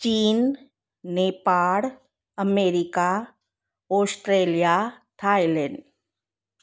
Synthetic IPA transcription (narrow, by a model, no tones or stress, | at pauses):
t͡ʃiːnː | eːpaːɽ | əmeːɾɪka | ɔːsʈɾeːlija | ʈʰaːilɛ̃ɳɖ